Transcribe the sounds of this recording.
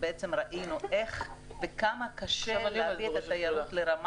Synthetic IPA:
beʔet͡semʁaʔinuʔe̞χvekamakaʃelavieat̪ajaɾut̪leɾama

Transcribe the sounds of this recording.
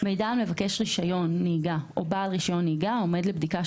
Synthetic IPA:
mejdaamle̞vake̞ʃʁiʃajo̞nːiːɡaʔobaːlʁiʃajo̞nːiːɡao̞me̞dlebdika

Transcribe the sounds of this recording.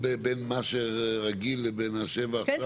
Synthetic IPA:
bebenmaʃeʁaɡilːebenhaʃevaːa

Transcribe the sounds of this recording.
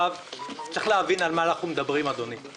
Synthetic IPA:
avt͡seχleavinalmaːnaχumed̪abʁimad̪o̞nim

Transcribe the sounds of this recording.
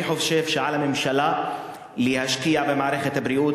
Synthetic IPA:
ħofʃefʃeʕalamemʃala | lihaʃkijabemaʕɾexet̪hbɾiʔuːt̪

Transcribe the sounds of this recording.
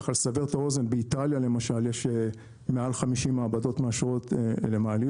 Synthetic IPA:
χalsaveʁtao̞ze̞nbeit̪aljale̞maʃaljeʃ | mealχamiʃimaːbado̞t̪meaʃʁo̞t̪lemaːli

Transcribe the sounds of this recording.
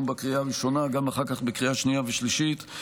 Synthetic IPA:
mbekʁiaːʁiʃo̞naɡamaχaʁkaχbekʁiaʃnijaveʃliʃit

